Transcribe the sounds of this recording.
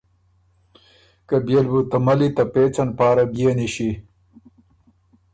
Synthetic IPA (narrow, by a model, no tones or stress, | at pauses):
kɐbjelbut̪ɐmɐlit̪ɐpeːt͡sɐnpaːɾɐbijeniɕi